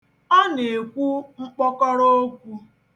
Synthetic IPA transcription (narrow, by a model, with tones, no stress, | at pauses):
ɔ˦ne˨kʷu˦ŋ͡m̩˦k͡pɔ˦kɔ˦ɾo˦kʷu˦